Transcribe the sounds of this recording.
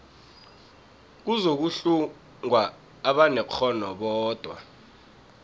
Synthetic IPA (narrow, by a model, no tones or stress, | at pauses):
k̬uzok̬uɬu | ŋwaː | ɓanɛk͡xʰɔnɔ̰ɓɔːd̥ʱwa̰